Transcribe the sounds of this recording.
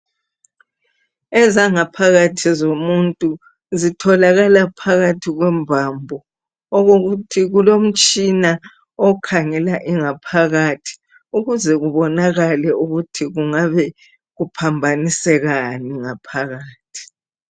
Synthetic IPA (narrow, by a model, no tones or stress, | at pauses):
ɛzaŋapʰaɣatʰizomuntʼu | zitʰɔlaɣalapʰaɣatʰiɣwɛmbʱambʱɔ | ɔɣoɣutʰiɣulom̩t͡ʃʼina | ɔkʰaŋɛlaʔiŋapʰaɣatʰi̥ | uɣuzɛɣuβɔnaɣalɛuɣutʰiɣuŋaβɛ | ɣupʰambʱanisɛɣaniŋapʰaɣaːtʰi̥